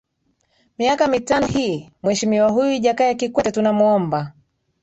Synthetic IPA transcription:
miakamitanɔhiːmwɛʃimiwaɦujuiʄakajakikwɛtɛtunamuɔmba

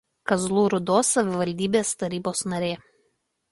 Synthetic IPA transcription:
kɐzlˠuːɾʊd̪oːsːɐʋʲɪʋɐlʲd̪ʲiːbʲeːst̪ɐɾʲiːboːsnɐɾʲeː

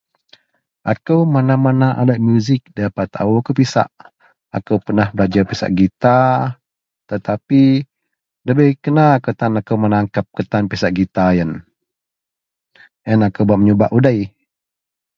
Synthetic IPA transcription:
ʔakəwmanamanaʔaləʔ̚mjuzɪk̚dapat̪a̰wuakəwpisa̰ʔ | akəwpənahbəlad͡ʒapisa̰ʔɡit̪a | t̪ət̪api | ləbəhkənakət̪anakəwmənaŋkap̚kət̪anpisaʔɡit̪ajən | ənakəwbaʔ̚məɲobaʔudaj

